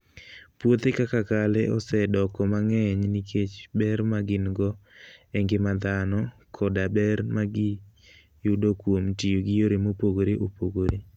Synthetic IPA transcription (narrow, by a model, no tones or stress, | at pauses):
pwot̪ekakakalɛɔsɛdɔkɔmaŋɛɲnikʰet͡ʃbɛrmaɡɪnɡɔɛŋɡemad̪anɔkʰɔdabɛrmaɡɪ | judokwomtijoɡɪjoɾemopoɡoɾeʔopoɡoɾe